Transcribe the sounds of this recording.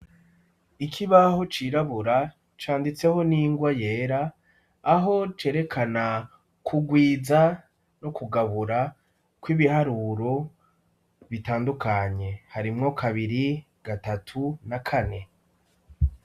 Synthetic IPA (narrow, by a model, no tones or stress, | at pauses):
ikʰiβaho̞t͡ʃiɾaβuɾa | t͡ʃaːndit͡se̞ho̞niːŋɡwaje̞ːɾaː | ɦo̞t͡ʃe̞ːɾe̞kʰana | kʰuɡwiːza | no̞kuɡaβuɾa | kwiːβihaɾuːɾo̞ | βitaːndukaɲe̞haɾimŋo̞kʰaβiɾi | ɡ̥atatʰunakʰane̞